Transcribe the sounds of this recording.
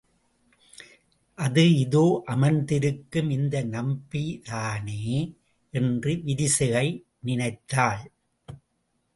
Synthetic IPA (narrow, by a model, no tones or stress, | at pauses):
ʔɐðɯɪðoːʔɐmɐnd̪ɪɾɯkːɯmɪnd̪ɐnɐmbiðaːneː | ʔɛndrɯʋɪɾɪsɯɣɐɪ | nɪnɐɪt̪ːaːɭ